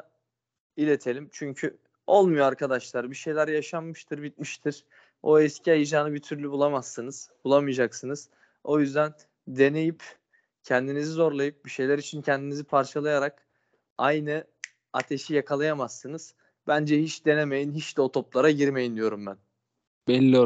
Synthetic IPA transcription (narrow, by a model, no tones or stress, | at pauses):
ilʲe̞t̪ʰelʲimt͡ʃʰyɲcʰy | o̞lˠmujoaɾkʰad̪aʃlˠaɾbiʃe̞jlʲæɾjaʃanːɯʃt̪ʰɯɾbit̪̚miʃt̪ʰiɾ̥ | oɛscʰiajɯd͡ʒaːnɯbit̪ʰyɾlʲybulˠamasːɯnɯz̥bulˠamɯjad͡ʒaksɯnɯz̥ | o̞jyzd̪æn | d̪e̞ne̞jip | cʰɛnd̪inizizo̞ɾlˠajɯp̚biʃe̞jlʲæɾit͡ʃʰincʰɛnd̪inizipʰaɾt͡ʃʰalˠajaɾak | ajnɯ | at̪ʰe̞ʃijakʰalˠajamasːɯnɯz̥ | bænd͡ʒɛhit͡ʃd̪e̞ne̞me̞jinɦit͡ʃd̪ɛo̞t̪ʰo̞plˠaɾaɟiɾme̞jind̪ijo̞ɾumbæn | bɛlʲːi